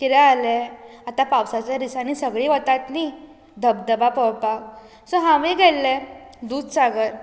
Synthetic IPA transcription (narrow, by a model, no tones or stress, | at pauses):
kiɾəalɛat̪apawsat͡ɕjaɾisanisəɡɭiʋət̪at̪ni | d̪ʱəbd̪əbapɔwpak | sɔɦãʋẽɡɛlːɛd̪uːd̪saɡəɾ